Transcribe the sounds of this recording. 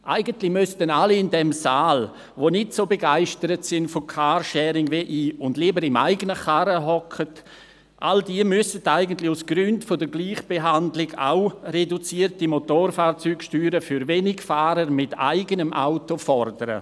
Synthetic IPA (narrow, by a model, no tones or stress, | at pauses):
ʔa̰ɪɡəntlɪmʏstənaliɪndɛmsaːl | vonɪtsoːbeɡaɪʃtəɾətsɪnfokʰaːrʃɛːɾɪŋveʔiːʊndliəbəɾɪma̰ɪɡənəχaɾəɦɔkʰət | ʔa̰ldiːəmʏsətaɪɡən̩tlɪʊsɡ̥ɾʏntfodəɾɡliːχb̥eɦandlɪɡa̰ʊredut͡siərtimotoːrfaːɾt͡syːɡʃtyːɾəfyɾvenɪɡfaːɾəɾmɪta̰ɪɡənəmʔa̰ʊtofɔrdəɾə̰